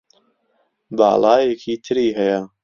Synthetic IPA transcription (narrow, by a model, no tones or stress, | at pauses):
ba̰ːlˠɑːjekʰiːt̪ʰɨɾiːɦɛjɐ